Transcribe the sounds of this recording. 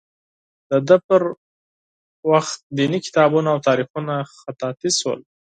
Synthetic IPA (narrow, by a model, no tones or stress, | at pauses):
d̪̥əd̪əpəɾ | waxt̪̚d̪inikɪ̥t̪ɑbunaːwt̪ɑɾixunaxat̪ɑt̪iswə̰l